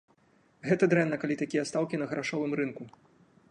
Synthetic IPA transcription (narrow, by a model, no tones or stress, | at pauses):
ɣɛt̪ɐd̪ɾɛnːɐkalʲit̪akʲijɐst̪awkʲinɐɣɐɾʔaʂɔvɨmɾɨnku